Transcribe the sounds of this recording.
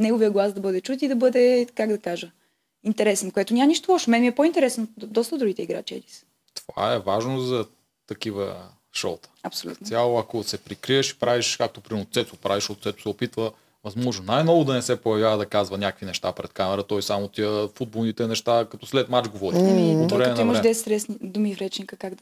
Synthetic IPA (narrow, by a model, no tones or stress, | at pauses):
nɛɡovijəɡlˠazd̪ɐbɤd̪ɛt͡ʃut̪id̪ɐbɤd̪ɛkaɡd̪ɐkaʒə | int̪ɛɾɛsnkoɛt̪onʲamɐniʃt̪olˠɔʃmɛnɛmiɛpoint̪ɛɾɛsnod̪ɔst̪əd̪ɾuɡ̟it̪ɛiɡɾa̰t͡ʃiɛ̰d̪is | t̪o̥va̰ɛvaʒnozɐ | t̪ɐkivə | ʃɔ̰lˠt̪ə̥ɐpsolʲṵnsʲjalˠoɐkosɛpɾikɾiəʃi̥pɾaviʃkak̚t̪opɾimɛnot̪sɛt̪opɾaviʃot̪t̪sɛt̪ʊ̥sɛopit̪və | vɐzmɔʒnonajnɔvʊd̪ɐnɛsɛpojɐvjavəd̪ɐkazvɐnʲakəkvinɛʃt̪apɾɛt̪kamɛɾət̪ɔjsamot̪iəfud̪̚bolˠnit̪ɛnɛʃt̪akɐt̪ɔslɛt̪mat͡ʃɡovɔd̪iot̪vɛmɛnɐvivməʃɛd̪ɛsɛt̪ɾɛsnid̪ʊmivɾɛt͡ʃnikəkaɡd̪